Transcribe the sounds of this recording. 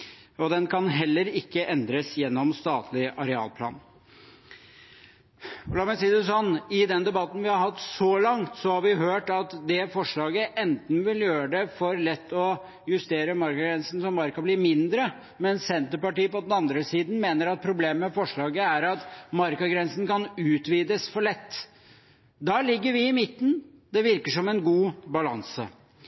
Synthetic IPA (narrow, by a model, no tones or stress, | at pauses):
ɔd̪ɛnkʰɑnɦɛlːəɾɪkːəʔɛnd̪ɾəsjɛnːɔmst̪ɑːt̪ʰlɪʔɑɾɛɑ̰ːlpʰlɑ̰ːn | ɔlɑːɾmɛsiːd̪ɛsɔnːɪd̪ɛnd̪ɛbɑt̪n̩ʋɪhɑɾɦɑt̪ːsɔlɑŋt̪sɔhɑɾʋɪɦøːʈɑt̪d̪ɛfɔʂɭɑːɡəʔɛnt̪n̩ʋɪljøːɾəɖ̪ɛfɔɾlɛt̪ːɔ | jʉst̪eːɾəmɑɾkɑɡɾɛnsn̩sɔmɑɾkɑblɪmɪnd̪ɾə | mɛnssɛnt̪əɾpɑʈiːəpɔd̪ɛnɑnd̪ɾəsiːd̪n̩meːnəɾɑt̪̚pʰɾʊbleːmmɛfɔʂɭɑːɡəæɾɑt̪mɑɾkɑɡɾɛnsn̩kʰɑnʉːt̪ʋiːd̪əsfɔɭɛt̪ː | d̪ɑlɪɡːəɾʋɪɪmɪt̪ːən̩d̪ɛʋɪɾkəʂɔmɛnɡuːbɑlɑ̰nsə̰